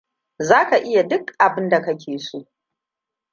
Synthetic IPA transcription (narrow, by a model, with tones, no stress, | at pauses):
zaː˦ka˨ʔɪ˦ja˨dʊ˦kʔa˨bɪ˦nda˨kɐ˦kʲʰeː˨soː˦ʔ